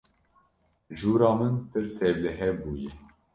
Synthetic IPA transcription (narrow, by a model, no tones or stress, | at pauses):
ʒuːɾɑːmɨnpʰɨɾt̪ʰɛvlɛɦɛbuːjɛ